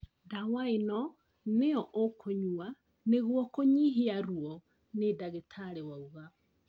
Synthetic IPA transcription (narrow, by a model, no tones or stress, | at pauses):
dawaenɔ | neɔʔokʰoɲua | neɣwɔkoɲiɦiaɾwɔ | nedaɣetʰaɾewauɣa